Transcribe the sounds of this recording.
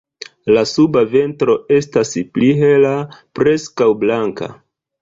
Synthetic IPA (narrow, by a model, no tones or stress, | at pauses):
lasubave̞ntɾo̞e̞staspliɦe̞lapɾe̞skawblaŋka̰